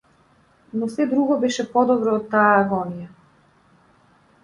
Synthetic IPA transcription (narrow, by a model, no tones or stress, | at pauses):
nɔsɛd̪ɾuɡɔbɛʃɛpɔd̪ɔbɾɔːt̪ːaaːɡɔnija